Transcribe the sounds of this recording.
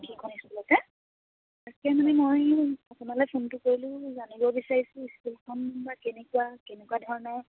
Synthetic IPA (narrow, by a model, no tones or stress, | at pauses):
kʰikʰɔnisblɔtɛ | akɛmanɛmojapunalɔjpʰontʊkoɹilʊ̃zanibɔbisaɹisʊ̃iskulkʰɔnbakenɛkuwakenɛkuadʱɔɹɔnɔ